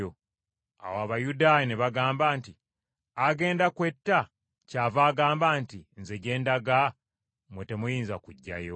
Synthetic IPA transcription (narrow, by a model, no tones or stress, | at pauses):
o | a̰waβajudaːjeneβaɡaːmbaːnti | aɡe̞ːndakwe̞tːa | caːvaːɡaːmbaːntinze̞ɟe̞ːndaɡa | mwete̞mujiːnzakuɟːa̰jo